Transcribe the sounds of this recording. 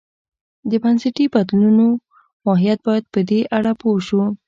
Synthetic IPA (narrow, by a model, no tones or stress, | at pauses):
d̪əbansɪʈibad̪luno | mɑɦijat̪̚bɑjad̪̚pəd̪eʔaɽapoʃu